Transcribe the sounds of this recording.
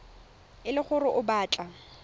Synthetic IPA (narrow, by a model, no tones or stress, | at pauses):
ɪlɪχʊrʊʔʊbaːt͡ɬʼa